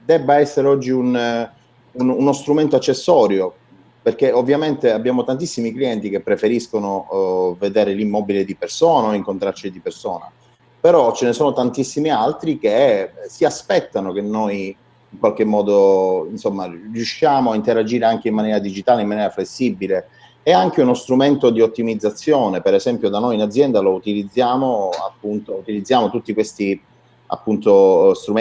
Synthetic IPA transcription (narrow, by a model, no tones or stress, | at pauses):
d̪ɛbːaɛsːeɾeɔd͡ʒːiun | ununost̪ɾument̪oat͡ʃːesːɔːɾjo | perk̟eovːjament̪eabːjaːmot̪ant̪isːimikliɛnt̪ik̟epːɾefeɾiskonoved̪eːɾelimːɔːbiled̪ipersɔːnaoiŋkont̪ɾaɾt͡ʃid̪ipersoːna̰ | peɾɔt͡ʃenesoːnot̪ant̪isːimialt̪ɾik̟esiaspɛt̪ːanok̟enːoj | iŋkwalk̟emːɔːd̪oinsomːarjuʃːjaːmoaint̪eɾad͡ʒiːɾeaŋk̟eimːanjɛːɾad̪id͡ʒit̪aːleimːanjɛːɾaflesːibileː | aŋk̟eunost̪ɾument̪od̪iot̪ːimid̪zːat̪sːjoːnepeɾezɛmpjod̪anːojinad̪zːjɛnd̪alout̪ilid̪zːjaːmoa̰pːunt̪out̪ilid̪zːjaːmot̪ut̪ːikwest̪i | a̰pːunt̪ost̪ɾum